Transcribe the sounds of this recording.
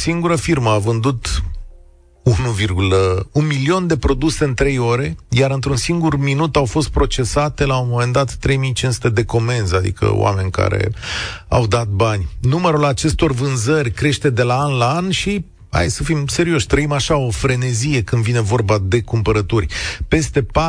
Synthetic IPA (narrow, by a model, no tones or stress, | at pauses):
siŋɡuɾəfirməavɨnd̪ut̪ | unuvirɡuləunmilio̞nd̪e̞pɾo̞d̪use̞ɨnt̪ɾe̞jo̞ɾe̞jaɾɨnt̪ɾunsiŋɡurminut̪awfo̞st̪̚pɾo̞t͡ʃe̞sat̪e̞laumo̞me̞nd̪at̪ːɾe̞jmijt͡ʃinsu̥t̪e̞d̪e̞ko̞me̞nzad̪ḭkʰə̰w̰a̰me̞nʲka̰ɾḛa̰wd̪at̪̚banʲnuməɾulat͡ʃe̞st̪o̞rvɨnzərʲkɾe̞ʃt̪e̞d̪e̞laanlaanʃi | ha̰jd̪səfimse̞ɾio̞ʃt̪ɾəimaʃao̞fɾe̞ne̞zije̞kɨnd̪vine̞vo̞rbad̪e̞kumpəɾət̪urʲpe̞st̪e̞pa